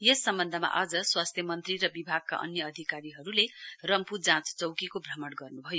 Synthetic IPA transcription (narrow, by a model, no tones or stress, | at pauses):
jesːʌmbʌnd̪ʱʌma̰ʔad͡zʌswast̪ʰjʌmʌnt̪riɾʌbibʱaɡ̚ka̰ʔʌ̰njʌʌd̪ʱikaɾiɦʌɾulerʌmpud͡zãt͡st͡sʌwkikobʱrʌmʌɽɡʌrnubʱʌjo